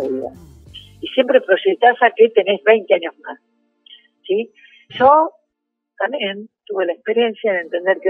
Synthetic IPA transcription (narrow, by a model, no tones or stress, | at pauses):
βiða̰ | isjempɾepɾosiit̪asakit̪eneβajŋkaɲohna | si | so | t̪ament̪uɣelaespeɾiensjanent̪end̪eɾke